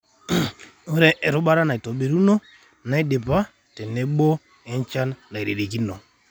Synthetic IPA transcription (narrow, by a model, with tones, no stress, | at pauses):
o˦ɾɛ˦ʔɾu˦ɓa˦ɾa˦na˨i˨to˨ɓe˨ɾu˦no˦ | na˦i˦de˨pa˦ | tɛ˨nːe˨˦ɓo˦ | e˦nt͡ʃa˦nna˨i˨ɾe˨ɾe˨ki˦no˨